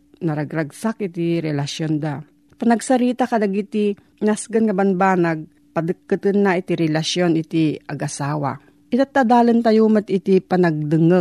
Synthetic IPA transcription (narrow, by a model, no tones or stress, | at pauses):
nɐɾɐɡɾɐɡsakʔɪt̪iɾɛlaʃjond̪a | pɐnɐɡsɐɾiːt̪akɐlɐɡit̪i | nasɡɐnŋɐbɐnbaːnɐɡ̚ | pɐd̪ɨkːɨt̪ɨnːaʔit̪iɾɛlɐʃjonʔɪt̪iʔɐɡʔɐsaːwa̰ | ʔɪt̪at̪ːad̪aːlɐnt̪ɐjuːmat̪ɪt̪ipɐnɐɡ̚d̪ɨŋə